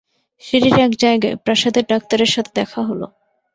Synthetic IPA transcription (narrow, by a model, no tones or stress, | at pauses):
ʃiɾiɾɛkd͡ʑaeɡḛpɾaʃad̪eɾɖak̚t̪aɾeɾʃat̪ʰed̪ɛkʰaɦolo̰